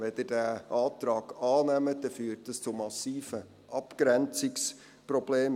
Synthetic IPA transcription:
ʋɛdədæːʔɑːt̪ɾɑːɡ̥ɑːnɛmədɛfyːrtəst͡sʊmɑsiːfə | ʔɑpkɾɛnt͡sɪks | prɔb̥leːm

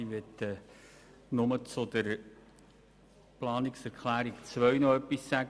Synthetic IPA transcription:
iʋɛt̪ə | nʊmət͡sʊd̪əɾ | plɑːniksæɾkʰlæːɾikt͡sʋœɥnɔœpːisːæɡ

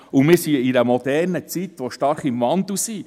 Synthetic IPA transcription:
umɪːɾsiidəmɔd̪ɛrnət͡sit̪ʋɔʃtɑɾχimʋɑnd̪usi

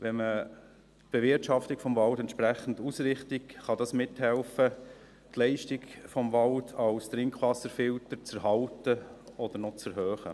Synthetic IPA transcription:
ʋɛnmə | b̥evɪɾtʃɑftikfɔmvɑltɛntʃpɾæχən̩dusɾɪχtikχɑdɑsmɪthɛlfə | tlɛɪʃtiɡfɔmvɑltʰɑlst̪ɾɪŋkχʋɑsəɾfɪltəɾt͡sɛɾɦɑltəɔd̪əɾnɔt͡sɛɾɦøːχə̰

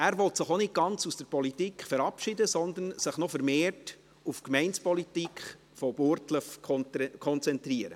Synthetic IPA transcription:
æːɾʋɔlt̪sɪχonɪt̚ɡ̥ɑnt͡susd̥əɾpɔlit̪iːkχfɛɾɑpʃɪdəsɔnd̪ənsɪχnɔfɛɾmeːrt | ufkmɛɪnspɔlit̪ikχ | fɔb̥ʊɾtləfkʰɔnt͡sɛnt̪riəɾə

